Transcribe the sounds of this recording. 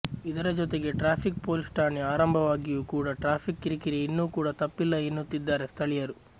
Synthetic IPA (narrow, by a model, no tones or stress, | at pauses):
id̪ɐɾɐd͡ʒɔt̪e̞ɡe̞ʈɾaːpʰik̚po̞ːlisʈaːniaːɾɐmbʱɐʋaːɡijuːkuːɽɐʈɾaːpʰikːiɾikiɾeinːuːkuːɽɐt̪ɐpːilːɐenːut̪ːid̪ːaːɾe̞st̪ʰɐɭijɐɾu